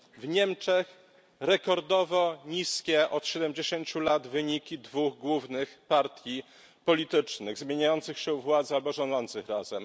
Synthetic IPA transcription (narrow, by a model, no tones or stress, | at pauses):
vɲɛmt͡ʂɛx | ɾɛkɔɾd̪ɔvɔɲiskʲɛʔɔt̪ɕɛd̪ɛmd͡ʑeɕeɲt͡ɕulad̪vɘɲikʲid̪vuɣɡwuvnɘxpaɾt̪ʲji | pɔlʲit̪ɘt͡ʂnɘɣzmʲjeɲajɔnt̪sɘxɕɛvwad̪zalbɔʐɔnɔnt̪sɘxɾazɛ̰m